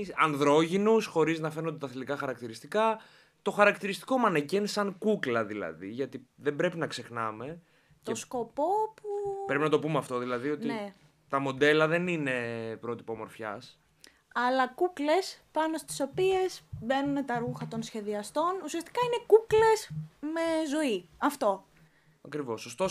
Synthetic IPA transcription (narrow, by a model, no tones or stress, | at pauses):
ɐnðɾo̞ʝinusxo̞ɾiznɐfenond̪et̪ɐθlikɐxɐɾɐkt̪iɾist̪ikɐ | t̪o̞xɐɾɐkt̪iɾist̪i̥ko̞mɐnecensɐŋkuklɐðilɐ̰ðḭʝɐt̪iðembɾe̞pinɐkse̞xnɐme̞ | tc̪oesko̞po̞pupɾe̞pinɐt̪o̞pumeɐft̪o̞ðilɐðio̞tt̪ine | t̪ɐmo̞d̪e̞lɐðe̞nine̞pɾo̞t̪i̥pomo̞ɾfçɐ̰s | ɐlɐkukle̞spɐno̞st̪i̥so̞pie̞sbe̞nunet̪ɐɾuxɐt̪o̞nsçe̞ðiɐst̪o̞nusiɐst̪i̥kɐine̞kukle̞sme̞zo̞iɐft̪o̞ | ɐkɾivo̞sost̪o